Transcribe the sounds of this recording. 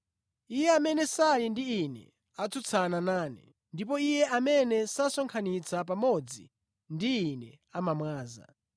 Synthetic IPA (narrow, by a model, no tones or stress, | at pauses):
ijɛamɛnɛsalindiinɛ̰ | at͡sʰut͡sʰananaːnɛ̰ | ndip̬ɔijɛamɛnɛsasɔŋkʰanit͡sʰapamɔd͡zḭ | ndiːnɛ | amamwaːza̰